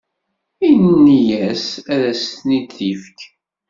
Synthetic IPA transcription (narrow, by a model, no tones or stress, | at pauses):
innːijæsæðæsθnid̪θifk